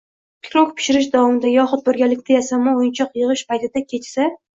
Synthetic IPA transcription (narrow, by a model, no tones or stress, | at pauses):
qʲʰɪɾokʲpʰɪ̥ʃɪɾɪʃ̬d̪avɒmɪd̪ajɒχʊt̪̚bɪɾɡʲalɪkʲt̪ʰajasamaʊjɪnt͡ʃʰɒqjɨʁɨʃpʰajt̪ʰɪd̪akʲʰe̞t͡ʃsa